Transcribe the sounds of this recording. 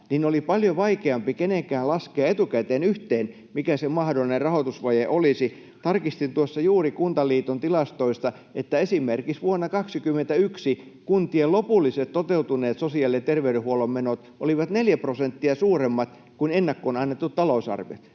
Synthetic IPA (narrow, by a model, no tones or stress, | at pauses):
ninolipɑljoʋɑikeɑmpikeneŋkæːllɑskeɑet̪ukæt̪eːnyht̪eːn | mikæsemɑhdolːˑinerrɑhot̪usʋɑjeʔolisi | t̪ɑrkist̪int̪uosːɑjuːrikunt̪ɑliːt̪ont̪ilɑst̪oist̪ɑ | ʔet̪ːæesimerkisʋuonːɑkɑksikymːˑent̪æyksikunt̪ielopulːˑiset̪t̪ot̪eut̪uneːt̪sosiɑlːet̪erʋeyɾehuolommenot̪ʔo̰liʋɑt̪neljæprosent̪ːiɑsuːremːɑt̪ | kunenːækːoonɑnːet̪ːutt̪ɑlousɑ̰rʋḛt̪